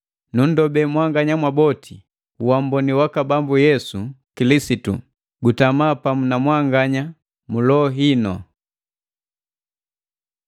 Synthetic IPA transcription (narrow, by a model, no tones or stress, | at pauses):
nun̩dɔbɛmwaŋɡaɲamwabɔtʰi | uwam̩bɔniwakabambujɛsukilisitṵ | ɡutamaːpamunamwaŋɡaɲa | mulɔɦinɔ